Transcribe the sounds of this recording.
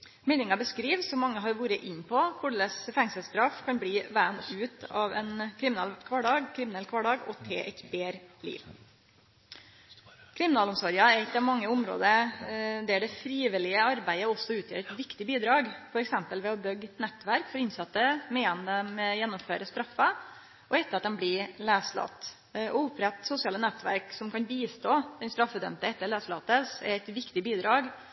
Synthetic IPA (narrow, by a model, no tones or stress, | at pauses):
mɛnɪŋɑbəskɾiːʋsɔmːɑŋːəɦɑɾʋuːɾəʔɪnːpʰɔkʰʊɖɭəsfɛŋsəlst̪ɾɑfkʰɑnbliːʋæːnʉːt̪ɑ̰ʋɛ̰nkʰɾɪmɪnɛlkʰʋɑɖɑːɡkʰɾɪmɪnɛlkʰʋɑːɖɑːɡɔ̰t̪ʰḛːʔɛ̰ɪt̪beːɾlḭːʋ | kʰɾɪmɪnɑːlɔmsɔɾjɑæɪt̪ːɑʋmɑŋːəʊmɾo̰ːd̪ə | d̪ɛæɖɛfɾiːʋɪlɪəɑɾbæɪəɔsːɔʉːt̪ʰjø̰ːɾɛt̪ʋɪkt̪ɪbiːd̪ɾɑːɡfɔɾɛksɛmpəlʋɛɔbœɡːɛt̪nɛt̪ːʋæɾkfɔɾɪnsɑt̪ːəmɛjɛnd̪əmɛjɛnːɔmføːɾəst̪ɾɑfːə | ʔɔɛt̪ːəɾɑt̪̚d̪ɛmblɪlæːslɑ̰t̪ | ʔɔʊpʰːɾɛt̪ːsʊsɪɑːlənɛt̪ːʋæ̰ɾksɔmkʰɑnbiːst̪oːd̪ɛnst̪ɾɑfːəd̪œ̰mt̪əɛt̪ːəɭæːslɑt̪əsɛ̰ɾæɪt̪ʋɪkt̪ɪbiːd̪ɾɑːɡ